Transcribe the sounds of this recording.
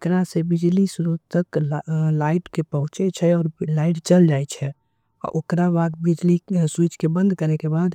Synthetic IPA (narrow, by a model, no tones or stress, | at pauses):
kɾasebid͡ʒlisuɾut̪əklaɪʈkepəɦʊ̃t͡ʃet͡ʃʰɛɔːɾlaiʈt͡ʃəld͡ʒajt͡ʃʰɛ | ɔ̰ɾʔokɾabaɡbid͡ʒliswit͡ʃkebə̃nd̪kəɾɛkebad̪